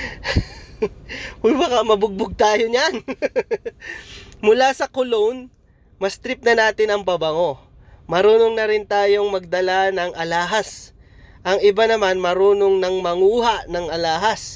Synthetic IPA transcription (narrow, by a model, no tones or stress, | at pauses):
ʊjbɐkamɐbʊɡ̚bʊɡ̚t̪aːjoɲan | mʊlasɐkʊlown | mɐst̪ɾɪp̚nɐnaːt̪ɪnɐŋpɐbɐŋo̞ | mɐɾuːnoŋnɐɾɪnt̪aːjo̞ŋmɐɡ̚d̪ɐlanɐŋʔɐlaːɦɐs | ʔɐŋɪbanɐmanmɐɾuːnoŋnɐŋmɐŋuːɦaʔnɐŋʔɐlaːɦɐs